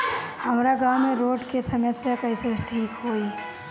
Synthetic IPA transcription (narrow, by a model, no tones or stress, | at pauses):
hɐmɾaɡawmẽɾoːɖkesɐməsjakɐisesʈʰiːkɦoːi